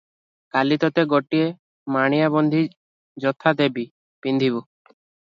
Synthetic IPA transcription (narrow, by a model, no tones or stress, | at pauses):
kalit̪ɔt̪eɡɔʈie | maɽ̃ijabɔnd̪ʱi | d͡ʒɔt̪ʰad̪ebi | pind̪ʱibu